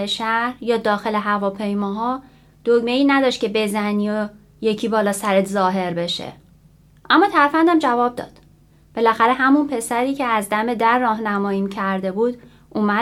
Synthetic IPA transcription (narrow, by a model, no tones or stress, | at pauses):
eʃæɾɾjɒːd̪ɒːxe̞le̞ɦævɒːpʰe̞jmɒːɦɒː | d̪̥oɡmeiːnæd̪ɒːʃt̪̚cʰe̞be̞zæniːo | je̞cʰiːbɒːlɒːsæɾet̪zɒːɦe̞ɾbe̞ʃḛ | ʔæmːɒːt̪ʰæɾfænd̪æmd͡ʒævɒːb̚d̪ɒ̰ːd̪̥ | b̥e̞læxæɾeɦæmunpʰe̞sæɾiːcʰeæzd̪æme̞d̪æɾːɒːɦnæmɒːjiːmcʰæɾd̪e̞buːd̪̥ | ʔuːmæ